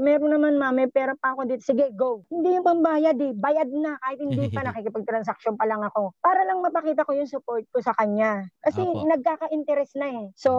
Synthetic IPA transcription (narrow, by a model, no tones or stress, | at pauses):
mɛːɾonɐmanmamːɛpɛːɾɐpɐkod̪iːt̪osɪɡɛɡowhɪnd̪iːjʊŋpɐmbaːjɐd̪ɛbaːjɐd̪̚nɐkaːhɪt̪̚hɪnd̪iːpɐnɐkikɪpɐɡ̚t̪ɾɐnsɐk̚ʃonpɐlɐŋɐko̞paːɾɐlɐŋmɐpɐkiːt̪̬ɐko̞jʊŋsʊpoɾt̪̚kosɐkɐɲːakɐsɛnɐɡ̚kaːkɐʔɪnt̪ɛɾɛsnɐɛso̞